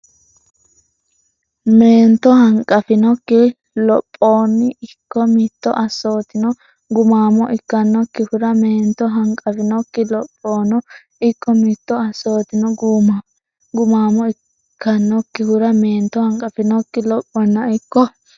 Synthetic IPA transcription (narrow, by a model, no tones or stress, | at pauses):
me̞ːnt̪ɔhɐŋkʼɐfɪnɔkːɪ | lɔpʼːo̞ːnːɪɪkːɔmɪt̪ːɔʔɐsːo̞ːt̪ɪnɔ | ɡʊmaːmɔʔɪkːɐnːɔkːɪhʊɾɐmeːnt̪ːɔɦɐŋkʼɐfɪnɔkːɪlɔpʼːoːnɔ | ɪkːɔmit̪ːɔɐsːo̞ːt̪ɪnɔɡuːmɐ | ɡʊmaːmɔɪ | kʰːɐnːɔkːɪhʊɾɐme̞ːnt̪ːɔhɐŋkʼɐfɪnɔkːɪlɔpʼːɔnːɐɪkːɔ